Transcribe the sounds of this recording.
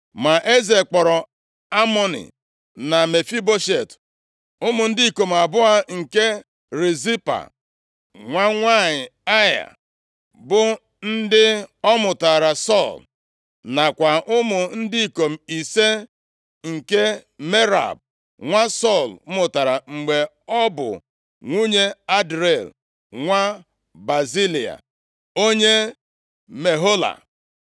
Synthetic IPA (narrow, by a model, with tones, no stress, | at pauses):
ma˨ʔe˦ze˨k͡pɔ˨ɾɔ˨ | a˦mɔ˦nɪ̰˨ | na˨me˨fi˦bo˦ʃe˨t | ʊ˦mʊ˨n̩˦di˦˨ko˨m̩˨a˨bʊ˦a˦ŋ̩˨ke˦ | ɾe˨zi˦pa̰˨ | ŋʷa˦ŋʷa˦˨ɲɪ˨a˦ja̰˨ | bʊ˦ | n̩˦dɪ˦ɔ˦mʊ˨ta˨ɾa˨sɔ˦˨l | na˨kʷa˨ʔʊ˦mʊ˨n̩˦di˦i˨ko˨m̩˨i˨se˦ | ŋ̩˨ke˦me˦ɾa̰˨b̚ | ŋʷa˦sɔ˦˨lmʊ˨ta˨ɾa˨ŋ͡m̩˨ɡ͡be˨ | ɔ˦bʊ̰˨ | ŋʷu˦ɲe˦a˦dɾe˨l | ŋʷa˦ | ba˨zi˦li˨a̰˨ | o˦ɲe˦ | me˨ɦo˦la̰˨